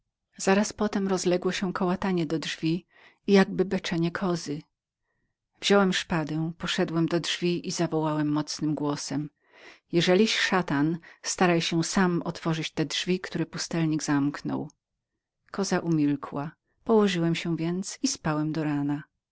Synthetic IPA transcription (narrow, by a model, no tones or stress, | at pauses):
z̥aɾaspɔt̪ɛmɾɔzlɛɡwɔɕɛkɔwat̪aɲɛd̪ɔdʐvʲi | ijaɡ̚bɘbɛt͡ʂɛɲɛkʰɔzɘ | vʑ̥ɔwɛmʂpad̪ɛ̃pɔʂɛd̪wɛmd̪ɔdʐvʲiʔizavɔwawɛmːɔt̪snɘmɡwɔsɛm | jɛʐɛlʲiɕʂat̪anst̪aɾajɕɛsamɔt̪fɔʐɘt͡ɕt̪ɛdʐvʲikt̪uɾɛpust̪ɛlɲiɡzamknɔ̰w | kʰɔzaʔumʲilkʰwa | pɔwɔʐɘwɛmɕɛ̃vʲjɛnt̪sispawɛmd̪ɔɾana